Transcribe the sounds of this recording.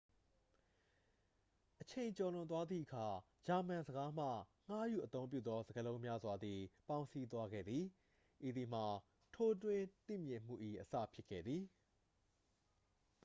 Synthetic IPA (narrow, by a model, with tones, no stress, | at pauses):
ʔət͡ɕʰẽ˨ɪ̃ɲt͡ɕɔ˨lʊ̃˨nt̪wa˦d̪ðḭ˦˨ʔəkʰa˨ | d͡ʑa˨m̥ã˨nzəɡa˦m̥ä̰˦˨ŋ̥a˦jṵ˦˨ʔət̪õ˦mpjṵ˦˨t̪ɔ˦zə˨ɡəlõ˦ʊ̃mja˦zwa˨d̪ði˨pã˦ʊ̃nsi˦t̪wa˦ɡɛ̰˦˨d̪ði˨ | ʔi˨d̪i˨m̥a˨ | tʰo˦twɪ̃˦t̪ḭ˦˨mjɪ̃˨m̥ṵ˦˨ʔḭ˦˨ʔəsä̰˦˨pʰjɪ˦kʰːɛ̰˦˨d̪ði˨